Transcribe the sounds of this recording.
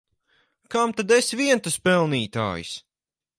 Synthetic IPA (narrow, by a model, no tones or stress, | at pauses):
kamt̪ad̪esvʲiɛnt̪ɨspɛlˠniːt̪a̰ːjṵs